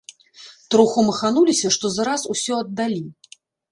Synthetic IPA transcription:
t̪ɾuxumɐxanulʲisʲɐʂt̪ɔzaɾasusʲɔɐd̪ːalʲi

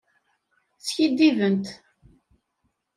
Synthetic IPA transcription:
θçid̪ːivənt̪

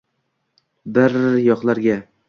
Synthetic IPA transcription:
bɪɾjɒqlˠaɾɡʲa

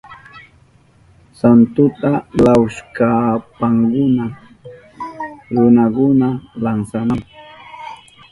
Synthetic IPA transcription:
sant̪ʊt̪alawʃkapaŋkʊna | ɾʊnakʊnalansanaŋ

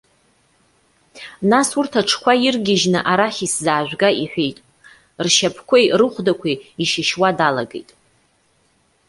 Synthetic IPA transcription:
nasurtʰaʈ͡ʂʰkʷʰajirɡʲɪʒnɨʔaɾaχʲiszaːʒᶣʷɡaiħʷᶣejtʼ | rʃapʰkʷʰejrɨχʷdakʷʰiiʃɪʃwadalaɡḛjtʼ

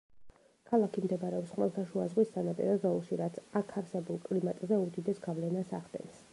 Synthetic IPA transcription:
kʰalˠakʰimd̪ɛbɾɛɔpsχʼmɛ̰lˠt̪ʰaʃuazʁwisanapʼḭɾɔzɔulˠʃiɾat̪sʰakʰaɾsɛbulˠkʼlimat̪ʼzɛud̪id̪ɛsɡavlɛnasa̰ʁd̪ɛ̰ns

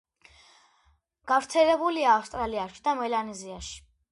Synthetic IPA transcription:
ɡ̥avɾt̪sʰɛlɛbuliaːfst̪ʼɾaliaʃid̪amɛlaniziaʃi̥

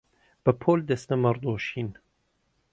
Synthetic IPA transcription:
b̥əpʰoːld̪ɛsnɐmɐrd̪oːʃiːn

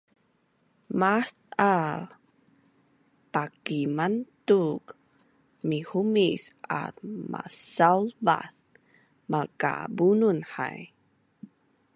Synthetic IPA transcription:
maθa | pakimantuk | mihumisa̰tma̰salva̰θ | maka̰bununha̰j

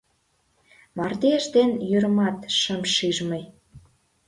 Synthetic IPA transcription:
mɑrd̪eʃd̪enjyɾəmɑt̪ʃəmʃiʒmə̆j

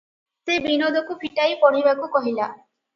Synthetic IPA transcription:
sebinod̪ʱɔkupʰiʈajpɔɽ̤ibakukɔɦila

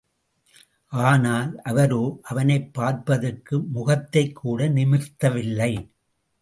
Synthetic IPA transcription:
ʔaːnaːlʔɐʋɐɾoːʔɐʋɐnɐɪpːaːɾpɐðɯkːɯmʊɣɐt̪ːɐɪkʰːuːɽɐnɪmɪɾt̪ːɐʋɪlːɐɪ

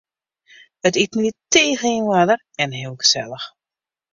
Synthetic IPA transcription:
ətitniteːɣəinwadər | ɛnɦɪːlˠɡəsɛlˠəx

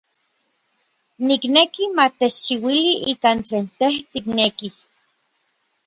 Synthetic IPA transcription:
niknekimat̪et͡ʃt͡ʃiwiliʔikant͡ɬeːnt̪eht̪ikneki

